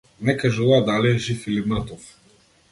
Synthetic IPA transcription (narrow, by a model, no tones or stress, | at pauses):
nɛkaʒuvad̪aliɛʒifilimat̪ɔf